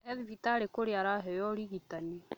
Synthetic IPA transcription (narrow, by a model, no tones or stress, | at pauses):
ɛðivitaɾekoɾeaɾaɦɛjɔɾiɣitani